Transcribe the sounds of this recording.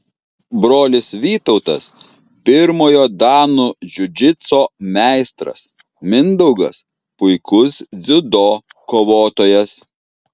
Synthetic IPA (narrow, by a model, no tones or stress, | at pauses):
bɾoːlʲɪsʋʲiːt̪ɒʊt̪ɐ̰s | pʲɪɾmoːjoːd̪ɑːnuʒʲʊd͡ʒʲɪt̪soːmʲæˑɪst̪ɾɐ̰s | mʲɪnd̪ɐʊɡɐ̰s | pʊɪkʊsd̪zʲʊd̪oːkoːʋoːt̪oːjɛs